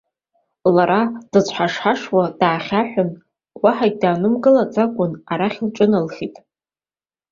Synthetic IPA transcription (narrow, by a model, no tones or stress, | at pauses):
laɾad̥ɨt͡sʷʰħaʂħaʂwad̥aːχʲaħʷᶣʊn | waħaɡ̚ʲdaːnɨmɡɨlat͡sʼakʷʼʊnaɾaχʲlʈ͡ʂʼɨnalχʲitʼ